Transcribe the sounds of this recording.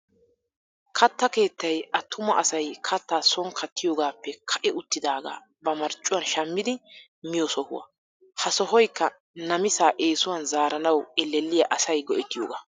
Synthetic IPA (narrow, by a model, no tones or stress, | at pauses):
kʰɐt̪ːɐke̞ːt̪ːɐjʔɐt̪ʰːʊmɐʔɐsɐjkʰɐt̪ːaːsɔŋkʰɐt̪ːɪjoːɡaːpːɛkʰɐʔɛʊt̪ːɪd̪aːɡa̰ː | bɐmɐɾt͡ʃʼːʊwɐnʃɐmːɪd̪ɪ | mɪjɔsɔhʊ̰wɐ̰ | hɐsɔɦɔjkːɐ | nɐmɪsaːʔeːsʊwɐnzaːɾɐnɐwɛlːɛlːɪjɐʔɐsɐjɡɔʔɛt̪ːɪjo̰ːɡa̰ː